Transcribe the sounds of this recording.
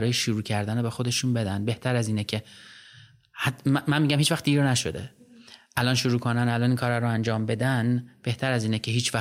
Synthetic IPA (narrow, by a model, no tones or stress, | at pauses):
ɾɒːjeʃuɾuːcʰæɾd̪ænobe̞xod̪e̞ʃuːnbe̞d̪ænbe̞ht̪ʰæɾæziːnecʰe̞ | hmænmiːɟæmhiːt͡ʃvæxt̪d̪iːɾnæʃo̞d̪eʔælɒnʃoɾuːkʰonænælɒːniːnkʰɒːɾæɾoænd͡ʒɒːmbe̞d̪ænb̥e̞ht̪ʰæɾæziːnecʰe̞ɦiːt͡ʃʰvæ